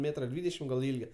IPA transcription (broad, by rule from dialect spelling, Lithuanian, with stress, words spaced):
ˈmʲeːtrɐ ˈdʲʋʲiːdʲɛʃʲɪm ɡɐlˠ ˈɪlʲɡʲɛ